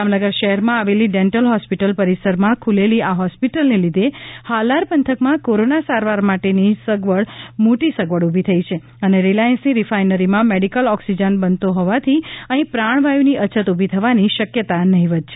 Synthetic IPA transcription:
amnəɡəɾʃəɦɛɾmãaʋeliɖeɳʈəlɦɔspiʈəlpəɾisəɾmãkʰuleliʔaɦɔspiʈəlnelid̪ʱehalaɾpənt̪ʰəkmãkoɾonasaɾʋaɾmaʈenisəɡʋəɭmoʈisəɡʋəɽubʱit̪ʰəit͡ʃʰe | əneɾilajənsniɾifajnəɾimãmeɽikəlɔksid͡ʒənbənt̪oɦɔʋat̪ʰiəɦĩpɾaɳ̃ʋajʋniət͡ʃʰət̪ubʱit̪ʰəʋaniʃəkjət̪anəɦĩʋəd̪̚t͡ʃʰe

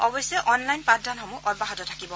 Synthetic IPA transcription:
ɔbɔjsɛʔɔnlajnpadʱanxɔmuʔɔd̚baɦɔtɔtʰakibɔ

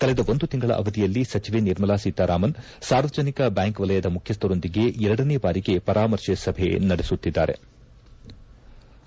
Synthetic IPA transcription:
kɐled̪ɐond̪ut̪iŋɡɐɭɐ̰ʔɐ̰ʋɐd̪ijɐlːisɐt͡ʃiʋe̞niɾmɐlaːsit̪aːɾaːmɐn | saːɾʋɐd͡ʒɐnikɐbjaːŋkʋɐlɐjɐd̪ɐmukʰjɐst̪ɐɾo̞nd̪iɡe̞ɛɾɐɽɐneːbaːɾiɡe̞pɐɾaːmɐɾʂesɐbʱe̞̰nɐɽesut̪ːid̪ːa̰ːɾe̞̰

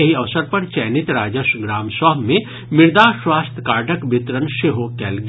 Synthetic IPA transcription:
ɐɦiɐʋsəɾpɐɾt͡ʃɛːnɪt̪ɾaːd͡ʒəʃɡɾaːmsaːɦmẽ | mɪɾd̪aːʃwaːst̪ʰkaːɾʈəkbɪt̪ɾənʃeɦokɛːlɡ

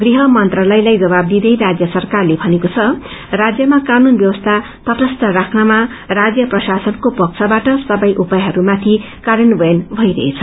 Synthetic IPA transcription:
ɡriɦʌmʌnt̪rʌlʌjlajd͡zʌbab̚d̪id̪ʌjɾad͡zjʌsʌrkarlebʱʌnekot͡sʰʌ | rad͡zjʌmakanunbjʌwʌst̪ʰa | t̪ʌʈʌst̪ʌrakʰnʌma | rad͡zjʌprʌsasʌnkopʌk̚t͡sʰʌbaʈʌsʌbʌjʔupajɦʌɾumat̪ʰi | kaɾʌnbʌjnbʱʌjɾʌ̰ɦet͡sʰʌ

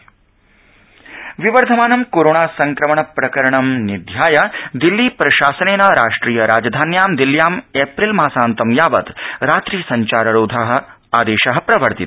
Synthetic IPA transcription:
ʋiʋɐɾd̪ʱɐmaːnɐmkoːɾoːɳaːsɐŋkɾɐmɐɳɐpɾɐkɐɾɐɳɐmnid̪ʱjaːjɐd̪ilːiːpɾɐʃaːsɐneːnɐɾaːʂʈɾiːjɐɾaːd͡ʒɐd̪ʱaːnjaːmd̪iljaːmeːpɾilmaːsaːnt̪ɐmjaːʋɐd̪ɾaːt̪ɾiːsɐɲt͡ʃaːɾɐɾoːd̪ʱaɦɐ̆ | aːd̪eːʃɐɦɐ̆pɾɐʋɐɾt̪it̪

